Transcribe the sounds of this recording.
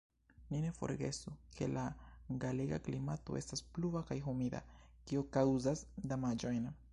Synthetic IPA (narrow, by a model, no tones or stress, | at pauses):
nine̞fo̞̰ɾɡe̞̰sukʰe̞̰laɡaleɡa̰klimato̰ʔe̞staspluvakajɦumida̰ | kiokawzasdamad͡ʒo̞jn